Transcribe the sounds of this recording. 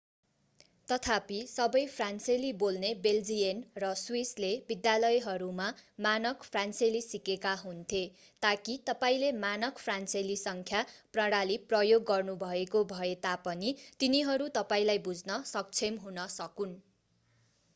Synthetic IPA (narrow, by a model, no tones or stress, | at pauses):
t̪ʌt̪ʰapisʌbʌjpʰranselibolnebeld͡zienrʌswislebid̪jalʌjɦʌɾumamanʌkpʰranselisikekaɦunt̪ʰje | t̪akit̪ʌpaĩlemanʌkpʰranselisʌŋkʰjaprʌɽaliprʌjoɡːʌrnubʱʌekobʱʌet̪apʌnit̪iniɦʌɾut̪ʌpaĩlajbud͡znʌsʌk̚t͡sʰemɦunʌsʌkun